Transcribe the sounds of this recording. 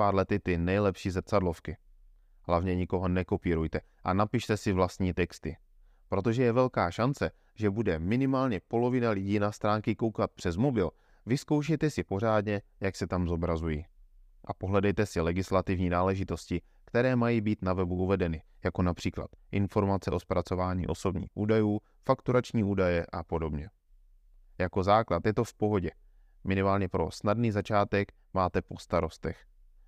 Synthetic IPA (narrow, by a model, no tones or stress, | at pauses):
aːɾlɛt̪ɪt̪ɪnɛjlɛpʃiːzr̩t͡sadlo̞fkɪ | ɦlavɲɛɲɪko̞ɦo̞nɛko̞piːɾujt̪ɛ | ʔa̰napɪʃt̪ɛsɪvlast̪ɲiːt̪ɛkst̪ɪ | pɾo̞t̪o̞ʒɛjɛvɛlkaːʃant͡sɛ | ʒɛbudɛmɪnɪmaːlɲɛpo̞lo̞vɪnalɪɟiːnast̪ɾaːŋkɪko̞wkat̪̚pr̝̥ɛzmo̞bɪl | vɪsko̞wʃ̬ɛjt̪ɛsɪpo̞r̝aːdɲɛjaksɛt̪amzo̞bɾazujiː | ʔapo̞ɦlɛdɛjt̪ɛsɪlɛɡɪslat̪ɪvɲiːnaːlɛʒɪt̪o̞scɪ | kt̪ɛɾɛːmajiːbiːt̪navɛbuʔuvɛdɛnɪ | jako̞napr̝̥iːkla̰t̪ʔɪnfo̞ɾmat͡sɛʔo̞spɾat͡so̞vaːɲḭːʔo̞̰so̞bɲḭːxʔuːdajuː | fakt̪uɾat͡ʃɲiːuːdajɛʔapo̞do̞bɲɛ | jako̞zaːklat̪jɛt̪o̞fpo̞ɦo̞ɟɛ | mʔɪnɪmaːlɲɛpɾo̞̰snadniːzat͡ʃaːt̪ɛk | maːt̪ɛpo̞st̪aɾo̞st̪ɛx